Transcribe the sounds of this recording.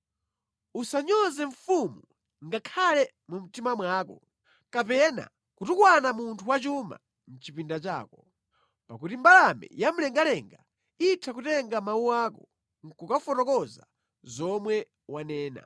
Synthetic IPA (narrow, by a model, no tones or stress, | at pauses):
usaɲɔzɛɱ̩fumu | ŋɡakʰalɛ | mum̩timamwaːkɔ | kapɛna̰ | kutukwanamuntʰuwat͡ʃuma̰ | n̩t͡ʃipindat͡ʃa̰ːkɔ | pakutimbalamɛ̰jam̩lɛŋɡalɛŋɡa | itʰakutɛŋɡamawuwaːkɔ | ŋ̩kukafɔnɔkɔza | zɔmwɛ | wanɛːna̰